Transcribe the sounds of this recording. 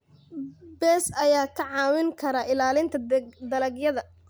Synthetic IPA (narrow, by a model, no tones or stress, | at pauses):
bɛːsɐjaːkʰɐʕɑːwɪŋkʰɐɾɐɪlaːlɪnt̪ʰɐd̪ɐlɐɡjɐðɐ